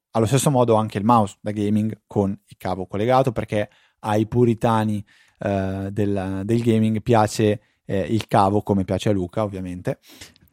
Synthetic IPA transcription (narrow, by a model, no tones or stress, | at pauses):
alːost̪esːomɔːd̪oaŋk̟eilmawsd̪aɡejmiŋɡkʰonilkaːvokolːeɡaːt̪operk̟e | ajpuɾit̪aːni | d̪eld̪elɡejmiŋɡpjaːt͡ʃe | ilkaːvokomepjaːt͡ʃealuːkaovːjament̪e